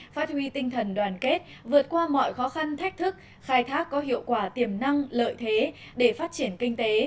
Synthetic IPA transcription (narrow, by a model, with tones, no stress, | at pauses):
faː˦˥t̚hwi˧t̪ï˧ŋt̪ʰə˨˩nɗwaː˨˩nke˦˥t̚ | vɨ˨˩ət̚kwaː˧mɔ̰˧˨jxɔ˨˦xa˧nt̪ʰa˦˥jk̚t̪ʰɨ˦˥k̚ | xaː˧jt̪ʰaː˦˥kːɔ˨˦ɦḭ˧˨əwkwaː˧˩t̪i˧˨˩əmna˧ŋlə̰ː˧˨jt̪ʰe˨˦ | ɗe˧˩faː˦˥t̚t͡ɕi˧˩ənkï˧ŋ̟t̪e˨˦